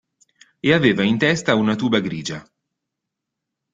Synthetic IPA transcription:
eaveːvaint̪ɛst̪aunat̪uːbaɡɾiːd͡ʒa

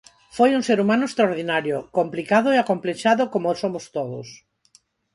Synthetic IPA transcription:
fojuŋseɾumãnʊest̪ɾaoɾð̞inaɾjokomplikaðoeakompleʃaðokomosomʊst̪oðʊ̰s

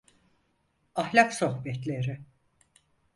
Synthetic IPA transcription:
ahlʲakso̞hbɛt̪lʲeɾɪ

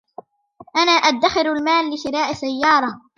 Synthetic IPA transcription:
ʔanaːʔad̪ːaxɪɾalmaːlːɪʃɪɾaːʔsajːɑːɾˤɑ

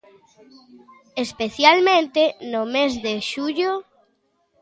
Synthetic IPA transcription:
espeθjalmẽnt̪enʊmezðeʃuʎo

